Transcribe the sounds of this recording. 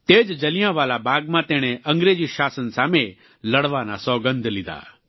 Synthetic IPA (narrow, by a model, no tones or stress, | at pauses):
t̪eːd͡ʒd͡ʒɐlɪjãʋaːlabaːɡmãt̪ɛːɽ̃ɛ̃ʔɐ̃ŋɡɾeːd͡ʒiʃaːsənsaːme | lɐɽʋaːna̰sɔːɡə̃nd̪lɪd̪a̰ː